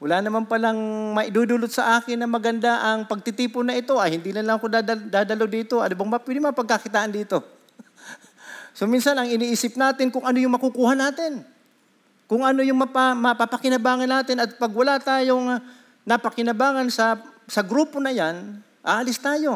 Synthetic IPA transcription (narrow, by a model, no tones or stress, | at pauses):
wɐlanɐmanpɐlaŋmɐʔɪd̪uːd̪ulot̪̚sɐʔaːkɪnːɐmɐɡɐnd̪aʔɐŋpɐɡ̚t̪ɪt̪iːpʊnːɐʔɪt̪o̞ʔɐjhɪnd̪iːlɐnlɐŋɐkod̪ad̪ɐd̪aːd̪ɐlod̪iːt̪o̞ʔɐnobɐŋmɐpwɛd̪ɪmɐŋɐpɐɡ̚kakɪt̪aːʔand̪iːt̪o̞ | sominsɐnɐŋɪniʔiːsɪp̚naːt̪ɪŋkʊŋʔɐnojʊŋmɐkʊkuːhanaːt̪ɪn | kʊŋɐno̞jʊŋmɐpamɐpapɐkɪnɐbaːŋɐnːaːt̪ɪnɐt̪̚pɐɡwɐlat̪aːjoŋ | nɐpɐkɪnɐbaːŋɐnsɐsɐɡɾuːpo̞nɐjan | ʔaːʔɐlɪst̪aːjo̞